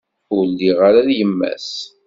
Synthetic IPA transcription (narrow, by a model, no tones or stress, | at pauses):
ulːiʁaɾaðjəmːæ̰s